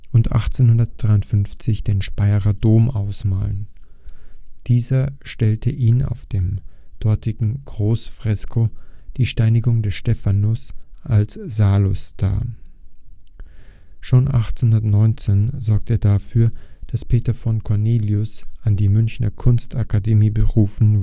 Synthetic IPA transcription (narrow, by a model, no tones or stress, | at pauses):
ʔʊntʔa̰χt͡seːnhʊndɐt̚d̥ʁaɪʊntfʏnft͡sɪçd̥eːnʃpaɪʁɐdoːmʔaʊsmaːlən | d̥iːzɐʃtɛltʰəʔiːna̰ʊfd̥eːmd̥ɔɐtɪɡŋ̩ɡ̥ʁoːsfʁ̥ɛskʰod̥iːʃtaɪnɪɡʊŋdɛsʃtɛfanʊsʔalsz̥aːlʊsd̥a̰ː | ʃoːnʔa̰χt͡senhʊndɐtnɔʏnt͡seːnzɔɐkteːɐdafyːɐd̥aspʰeːtɐfɔnkʰɔɐneːljʊsʔandiːmʏnçnɐ̰kʰʊnstakʰademiːbəʁuːfn̩